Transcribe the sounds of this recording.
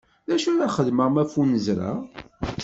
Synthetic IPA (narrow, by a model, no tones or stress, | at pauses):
ðæʃunaχəðməʁmæfunəzɾa̰